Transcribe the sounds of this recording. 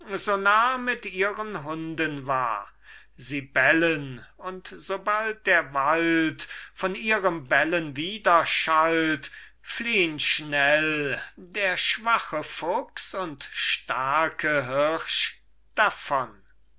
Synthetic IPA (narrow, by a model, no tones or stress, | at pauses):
zonaːmɪtiːʁənɦʊndənva̰ɐ | ziːbɛlənʊntz̥obalt̚d̥eːɐvaltfɔniːʁəmbɛlənviːdɐʃalt | fliːənʃnɛldeːɐʃv̥aχəfʊksʊntʃtaɐkʰəɦɪʃ | d̥afɔn